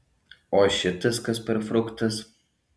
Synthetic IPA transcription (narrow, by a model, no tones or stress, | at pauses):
oʃʲɪt̪ɐskɐspʲɛɾfɾʊkt̪ɐs